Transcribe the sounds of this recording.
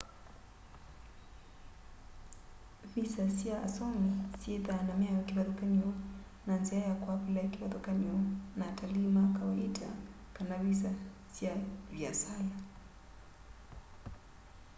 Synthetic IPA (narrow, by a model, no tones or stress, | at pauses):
βisasiaʔa̰sɔmisiɛðanamɛajɔkiβaðɔkaɲiwɔ | nanziajakwapulaikiwaðɔkaɲiwɔnatalimakawaita̰ | kanaβis̬asiaβjasala